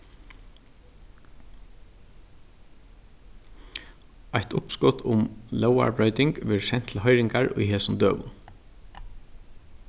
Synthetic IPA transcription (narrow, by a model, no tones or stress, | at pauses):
ajt̪ʊpskɔt̪ʰʊmlœwa̰ɹbɾœʏt̪ɪŋkʋɪʃɛn̥t̪ʰl̩ɦɔjɾɪŋkaɹʊ̰jɦɛːsʊmd̪øːʋʊ̰n